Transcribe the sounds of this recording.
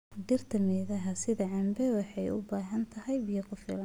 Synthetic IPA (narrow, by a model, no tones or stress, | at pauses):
ɖɪrt̪ʰɐmɛðɐɦɐsɪðɐʕɑmbɛwɑħɑjʊ̰baːɦɐnt̪ʰɐɦɛjbɪjɐkʰʊfɪlɐn